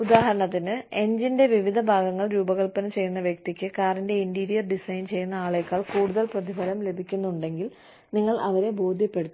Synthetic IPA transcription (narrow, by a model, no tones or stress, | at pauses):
ud̪aːɦɐɾɐɳɐt̪ːinɨe̞ɲd͡ʑinde̞ʋiʋid̪ʱɐbʱaːɡɐŋːɐɭɾuːbɐɣɐɭpɐnɐmt͡ɕe̞jːunːɐʋjɐk̚t̪ikʲːɨkaːrinde̞indiːɾijɐrɖisɐjnt͡ɕe̞jːunːɐaːɭe̞kːaːɭkuːɽuðɐlprɐd̪ibʱɐlɐmle̞bʱikʲːunːuuɳɖe̞ŋɡil | niŋːɐɭʔɐʋɐɾe̞bo̞ːd̪ʱjɐpːe̞ɽut̪ː